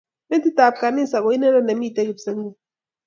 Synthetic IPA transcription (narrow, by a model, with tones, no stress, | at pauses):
me˦n˦ti˦ta˨p̚ka˨ni˦˨sa˨k̬o˨˦i˦nɛ˦lɔ˦ne˨m˦i˦˨tɛ˦ki˨bse˦ŋ˦u˦˨